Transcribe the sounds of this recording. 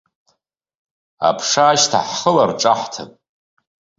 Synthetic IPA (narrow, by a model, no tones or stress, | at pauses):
a̰pʰʂaːʃtʰaħχəlarʈ͡ʂʼaħtʰapʼ